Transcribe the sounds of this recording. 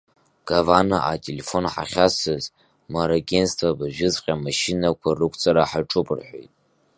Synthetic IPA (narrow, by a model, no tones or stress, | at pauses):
ɡ̥avanaʔatʼelefo̞nħa̰χʲasɨz | maɾaɡʲenstʰvabaʒᶣɪzqʲʼamaʃinakʷʰarɨkʷʼt͡sʼaɾaħaʈ͡ʂʼupʼɨrħʷo̰jtʼ